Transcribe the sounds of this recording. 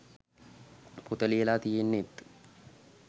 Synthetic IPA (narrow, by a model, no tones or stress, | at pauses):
pʊt̪ʼɐleːlaːt̪ɪjenːeːt̪ː